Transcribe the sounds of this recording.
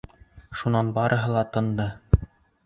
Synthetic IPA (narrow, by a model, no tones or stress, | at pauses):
ʃunɑnbɑɾʔɤ̆ɦɤlˠɑt̪ɤ̆nd̪ɤ